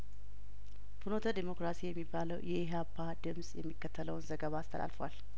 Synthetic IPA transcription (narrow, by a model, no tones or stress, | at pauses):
funo̞t̪ʰəd̪emo̞kɾasijɛmːibːaləwjɛɦapʰːad̪ɨmsʼjɛmːikːət̪ʰːələwnzəɡəβaːst̪ʰə̰la̰lfwa̰l